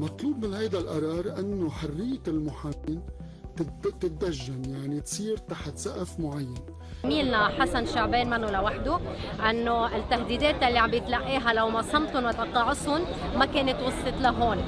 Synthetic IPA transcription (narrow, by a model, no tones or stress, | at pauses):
mɑt̪ˤluːbmɪnhajd̪alʔɑɾˤɑːɾˤʔɪnːoħarːɪjːlmʊħaːt̪ɪn | t̪ɪt̪ɪt̪̚d̪aʒːanjaʕnit̪sˤiːɾt̪aħt̪saʔafmʊʕajːan | miːlnaħasanʃaʕbeːnmɪnːulawaħd̪ʊʔɪnːoɪt̪ːahd̪iːd̪eːt̪jalːiʕambjɪt̪laʔːiːɦalawmasˤɑmt̪ʊnwat̪ɑqːɑːʕɪsʊn | makeːnɪt̪wʊsˤːɨt̪ˤlaɦoːn